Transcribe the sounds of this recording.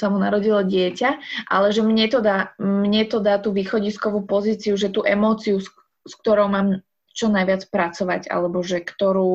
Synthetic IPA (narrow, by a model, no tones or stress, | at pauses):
samuna̰ɾɔɟilɔɟɪɛcaʔa̰lɛʒɛmɲɛt̪ɔd̪aːmɲɛt̪ɔd̪aːt̪uːʋiːxɔɟiskɔʋuːpɔziːt͡siuʒɛt̪uːʔɛmɔːt͡sius | sk̚t̪ɔɾɔʊmaːm | t͡ʃɔnajʋɪat͡spɾat͡sɔʋaɟa̰lɛbɔʒɛkt̪ɔɾuː